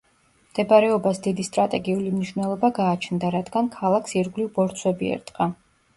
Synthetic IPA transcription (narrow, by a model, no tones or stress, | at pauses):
md̪̥ɛbaɾɛɔbasd̪id̪ist̪ʼɾat̪ʼɛɡiulimniʃvnɛlˠɔbaɡaːt͡ʃʰnd̪aɾad̪ɡankʰalˠakʰsiɾɡlivbɔɾt̪sʰwɛbiɛ̰ɾd̪ʼqʼa